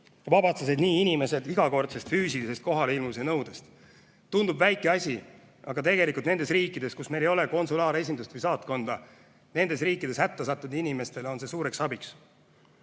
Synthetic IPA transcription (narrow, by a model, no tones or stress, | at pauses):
vɑbɑt̪sesid̪niːinʲime̞se̞d̪̥iɡ̥ɑko̞rt̪sest̪fyːsilise̞st̪̚ko̞ɦɑleilmus̬enɤwd̪̥est̪ | t̪und̪ubvæjkːˑeɑsʲi | ʔɑɡ̥ɑt̪e̞ɡe̞likˑult̪nend̪esriːkːˑid̪̥e̞skusme̞jlejo̞le̞ko̞nsulɑːɾe̞s̬ʲind̪ust̪vɨjsɑːt̪ko̞nd̪̥ɑ | ne̞nd̪e̞sriːkːˑid̥̪e̞shæt̪ːesɑt̪ˑːud̪inime̞st̪e̞lo̞nse̞suːɾe̞ksɑbiks